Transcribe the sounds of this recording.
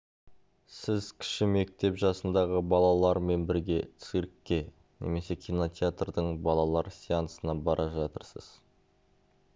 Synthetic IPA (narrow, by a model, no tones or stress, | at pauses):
sɪzkʲʰɪ̥ʃɪme̞k̚t̪e̞pʒɑsənd̪ɑʁəbɑlˠɑlˠɑɾme̞nbɪɾɡʲe̞t̪siɾkʲːe̞ | nʔe̞̰me̞se̞kʲʰino̞t̪ʲeat̪rd̪əɴbɑlˠɑlˠɑɾsʲiɑnsənɑbɑɾʔɑʒɑt̪əɾsə̰z̥